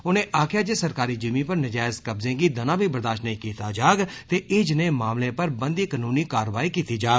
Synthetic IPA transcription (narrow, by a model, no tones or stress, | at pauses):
ʊnẽːʔaːkʰɪjaːd͡ʒeːsəɾkaːɾiːd͡ʒimiːpəɾnɪd͡ʒaːɪzkəbzẽːɡiːd̪ənãːbʱiːbəɾd̪aːʃnəĩːkiːt̪aːd͡ʒaːɡt̪eːʔɪd͡ʒnẽːmaːmlẽːpəɾbənd̪iːkənuːniːkaːɾʋaːiːkiːt̪iːd͡ʒaːɡ